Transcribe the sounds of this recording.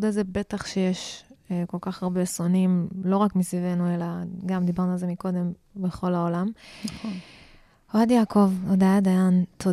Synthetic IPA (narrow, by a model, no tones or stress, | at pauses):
d̪aze̞be̞t̪aχʃejeʃko̞lkaχaʁbesonimlo̞ʁakmisvivenue̞laɡamd̪ibaʁnualzemiko̞d̪e̞m | beχo̞laolamnaχon | oad̪jaːko̞vod̪ajad̪ajant̪ʰo